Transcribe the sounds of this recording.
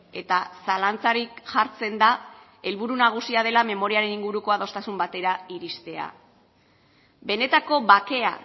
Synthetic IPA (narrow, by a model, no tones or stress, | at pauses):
e̞t̪asalant͡saɾikʝaɾt͡se̞nd̪a | e̞lβuɾunaɣ̞usiað̞e̞lame̞mo̞ɾiaɾe̞niŋɡuɾuko̞að̞o̞st̪asumbat̪e̞ɾaiɾist̪e̞a̰ | be̞ne̞t̪ako̞βake̞a̰